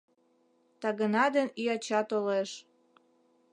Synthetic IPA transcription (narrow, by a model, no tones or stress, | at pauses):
t̪ɑɣənɑd̪enyɑt͡ɕɑt̪oleʃ